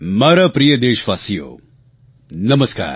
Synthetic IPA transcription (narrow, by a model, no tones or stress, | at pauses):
maːɾɐpɾijɐd̪eːʃʋaːsijo̰ː | nɐməska̰ːɾ